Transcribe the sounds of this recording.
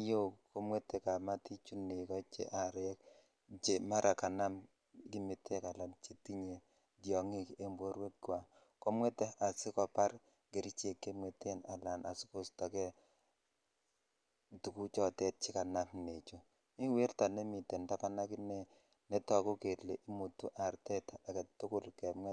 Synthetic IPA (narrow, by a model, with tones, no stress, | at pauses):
jo˦ko˦mwe˦tɛ˦ka˨ma˦ti˦t͡ʃu˦ne˨kɔ˦t͡ʃḛ˨ʔa˨ɾɛ˦k | t͡ʃe˨ma˦ɾʔa˨ka˨na˦m | ɡi˦me˨tʰe˦ka˨la˨nt͡ʃe˨ti˦ɲe˨ | djɔ˨ŋi˦ke˦mbo˦ɾwe˦t̚ɡa˨ | ko˦mwe˦tɛ˦ʔa˨sɪ˦kɔ˨pa˦r | ke˨ɾi˦t͡ʃe˨kːe˦mwe˨te˦na˨la˨nʔa̰˨sɪ˦ko˦sta˨kɛ˦ | tu˨ku˦t͡ʃɔ˦tɛ˦t̚t͡ʃi˦ka˨na˦mne˨t͡ʃo˨ | mi˦we˦rta˨nɛ˦mi˨tɛ˨nda˦ka˦na˦kɪ˦nɛ˦ | nɛ˦tɔ˨ko˦ke˨tle˨ʔi˦mu˨tu˦ʔa˨ɾtɛ˦ta˨kɛ˨tʊ˦kʊ˦˨lkɛ˨mŋɛ˦